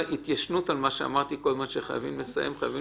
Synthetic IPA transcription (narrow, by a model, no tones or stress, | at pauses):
ʔit̪jaʃnut̪almaʃea̰maʁt̪iko̞lmaʃeχaja̰vimlesa̰jʔemχajavi